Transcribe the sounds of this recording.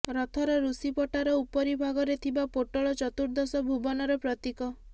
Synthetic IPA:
ɾɔt̪ʰɔɾɔɾusipɔʈaɾɔupɔɾibʱaɡɔɾet̪ʰibapoʈɔɭɔt͡ʃɔt̪uɾd̪ɔsɔbʱubɔnɔɾɔpɾɔt̪ikɔ

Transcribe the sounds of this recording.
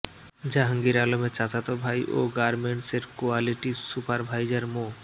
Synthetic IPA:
d͡ʑaɦəŋɡiɾalomet͡ɕat͡ɕat̪obʱajʔoɡaɾmeɳʈseɾkoaliʈisupaɾbʱajd͡ʑaɾmo

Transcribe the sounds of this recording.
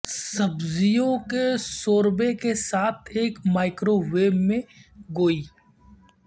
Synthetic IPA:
sɐbzijõkesoːɾbekesaːt̪ʰeːkmaːɪkɾoʋeːẽɡoːiː

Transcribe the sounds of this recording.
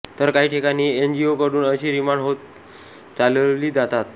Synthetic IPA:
t̪əɾkaɦiːʈʰikaɽ̃iːend͡ʑiokəɽuːnəɕiːɾimaɳɖɦot̪̚ | t͡salliːd͡zat̪at̪

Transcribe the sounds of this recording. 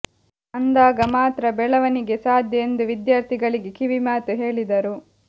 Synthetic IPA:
ɐnd̪aːɡɐmaːt̪ɾɐbɛɭɐʋɐniɡe̞saːd̪ʱjɐend̪uʋid̪jaːɾt̪ʰiɡɐɭiɡe̞kiʋimaːt̪uɦe̞ːɭid̪ɐɾu

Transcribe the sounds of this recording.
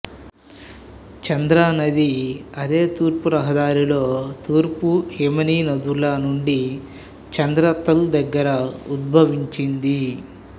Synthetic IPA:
t͡ʃɐnd̪ɾaːnɐd̪iɐd̪e̞ːt̪uːɾpuɾɐɦɐd̪aːɾilo̞ːt̪uːɾpuhemɐniːnɐd̪ulaːnuɳɖi | t͡ʃɐnd̪ɾɐt̪ːɐld̪ɐɡːɐɾɐud̪̚bʱɐʋiɲt͡ʃind̪i

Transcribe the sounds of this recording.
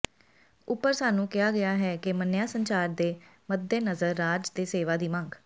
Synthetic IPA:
ʊpːəɾsaːnũːkɪjaːɡɪaːɦɛːkɪmənːjaːsəɲt͡ʃaːɾd̪eːməd̪ːeːnəzəɾːaːd͡ʒd̪eːseːʋaːd̪iːmãŋɡ

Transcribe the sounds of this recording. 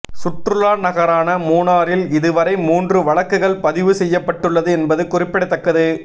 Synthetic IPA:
sʊʈɾɯlaːɾnɐɣɐɾaːnɐmuːnaːɾɪlɪðɯʋɐɾɐɪmuːndrɯʋɐɭɐkːɯɣɐɭpɐðɪʋɯsɛjːɐpːɐʈːɯɭːɐðɯɛnbɐðɯkʊrɪpːɪɽɐɪt̪ːɐkːɐðɯ

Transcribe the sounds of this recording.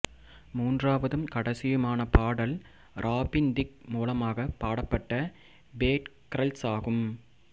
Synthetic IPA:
muːndraːʋɐðɯmkɐɽɐsɪjɯmaːnɐpaːɽɐl | ɾʔaːpɪnd̪ɪk̚muːlɐmaːɣɐpaːɽɐpːɐʈːɐ | beːʈkɾɐlsaːɣɯm

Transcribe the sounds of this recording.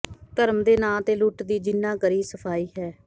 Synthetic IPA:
t̪əɾəmd̪eːnãːt̪eːluːʈd̪iːd͡ʒɪnːãːkəɾiːsəpʰaːiːɦɛː

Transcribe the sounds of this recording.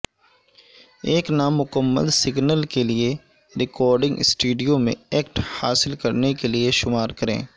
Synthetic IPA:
eːknaːmːʊkəmːə̰lsɪɡnəlkelie | ɾɪkɔːɾɖɪ̃ŋɡsʈuːɖijõmḛ̃ɛːkʈhaːsɪlkəɾnekelieʃʊmaːɾkəɾḛ̃ː

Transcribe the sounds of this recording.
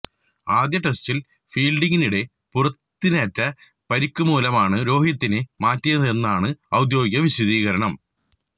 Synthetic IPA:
aːd̪jɐʈestil | fiːlɖiŋɡiniɽe̞ | purɐt̪ːinɐtːɐ | pɐɾikʲːumuːlɐmaːɳɨɾo̞ːɦijɐt̪ːinɨmaːtːiɐðe̞nːaːɳɨɐwd̪jo̞ːɡjɐʋiɕuðiːɣɐɾɐɳɐm

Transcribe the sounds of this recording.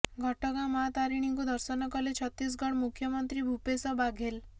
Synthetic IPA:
ɡʱɔʈɔɡamat̪aɾiɽ̃iŋkud̪ɔɾsɔnɔkɔlet͡ʃʰɔt̪is̬ɡʱɔɽ̃mukʰjɔmɔnt̪ɾibʱupesɔbaɡʱel

